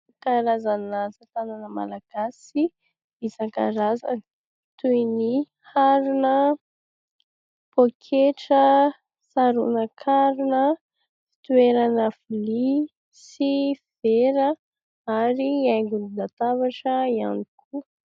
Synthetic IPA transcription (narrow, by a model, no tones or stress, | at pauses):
kaɾazanasat̪ananəma̰laɡ̥asi | izaŋka̰ɾazan | t̪ujni | haɾunə | pokʰeʈ͡ʂə | saɾunəkʰaɾunə | fi̥t̪ueɾanəfuli | siv̥eɾə | aɾiajŋɡuninat̪avaʈ͡ʂəia̰nikʰu